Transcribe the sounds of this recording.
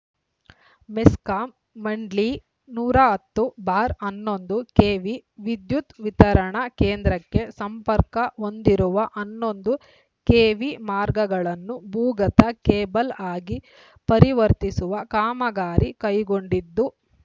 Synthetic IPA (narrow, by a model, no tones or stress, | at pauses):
meskaːmː | ɐɳɖli | nuːɾaɦɐt̪ːubaːɾɐnːo̞nd̪ukeːʋiʋid̪jut̪ʋit̪ɐɾɐɳɐkeːnd̪ɾɐkːe̞sɐmpɐɾkɐo̞nd̪iɾuʋɐʔɐnːo̞nd̪u | keːʋimaːɾɡɐɡɐɭɐnːubuːɡɐt̪ɐkeːbɐlaːɡi | pɐɾiʋɐɾt̪isuʋɐkaːmɐɡaːɾʔikɐjɡo̞ɳɖid̪ːu